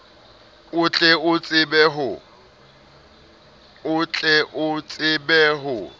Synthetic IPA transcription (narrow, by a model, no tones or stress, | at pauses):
ʊt͡ɬʼɛʊt͡sʼɪbɛɦʊ | ʊt͡ɬʼɛʔʊt͡sʼɪbɛɦʊ